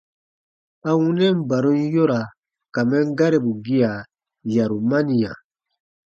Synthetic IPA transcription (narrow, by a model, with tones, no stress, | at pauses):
a˨wũ˦nɛ̃˦m̩˦˨ba˨ɾũ˦n˦jɔ˦ɾa˨ | ka˨mɛ̃˦ŋ˦ɡa˦ɾɛ˨bu˨ɡi˦a˨ | ja˨ɾu˨ma˦ni˨ja̰˨